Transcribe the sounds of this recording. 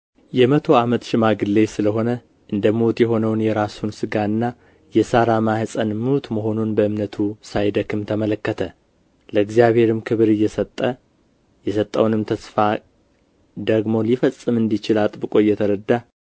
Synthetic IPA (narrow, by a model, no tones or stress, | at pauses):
jɛmət̪ʰo̞amət̪ʃɪmaɡɨlːe̞sɨləɦo̞nə | ʔɨnd̪əmuwt̪jɛɦo̞nəwnjɛɾasunsɨɡaɨnːa | jɛsaɾamahɨsʼənmɨwt̪məɦo̞nunbəɨmnət̪ʰusajd̪əkʰɨmt̪ʰəmələkːət̪ʰə | ləɨɡzijaβhe̞ɾɨmkʰɨβɾɨjːɛsət̪ʼːə | jɛsət̪ʼːəwnɨmt̪ʰəsfa | d̪əɡmo̞lifəsʼɨmɨnd̪it͡ʃɪlat̪ʼbɨkʼo̞jɛt̪ʰəɾəd̪ːa